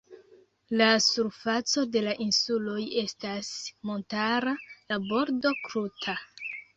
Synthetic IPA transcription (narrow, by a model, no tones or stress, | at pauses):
lasuɾfat͡so̞de̞laʔinsulo̞je̞stasmo̞ntaɾalabo̞ɾdo̞kɾutʰa